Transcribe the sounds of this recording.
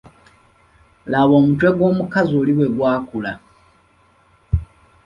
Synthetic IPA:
laβo̞ːmutwe̞ɡwo̞ːmukazoːliβwe̞ɡwaːkula

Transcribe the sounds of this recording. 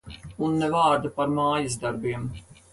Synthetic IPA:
unːɛvɑːɾd̪apaɾmaːjazd̪aɾbiɛm

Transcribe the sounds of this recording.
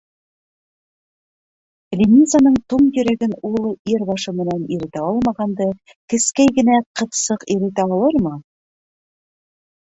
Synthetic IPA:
lʲinʲizanɤɴt̪uɴjɵ̆ɾæɡɘnulˠɤʔiɾbɑʃɤmɘ̆næniɾɘ̆t̪æɑlˠmɑʁɑnd̪ɤ | kɘ̆skæjɡɘ̆næqɤ̆θsɤqiɾɘ̆t̪æɑlˠɤɾmɤ

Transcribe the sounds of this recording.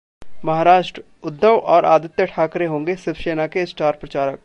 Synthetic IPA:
mɐɦaːɾaːʃʈɾ | ʊd̪ʱːəʋʔɔːɾʔa̰ːd̪ɪt̪jəʈʰaːkɾeɦõːŋ̆ɡesɪbʃeːnakesʈaːɾpɾɐt͡ʃaːɾək̚

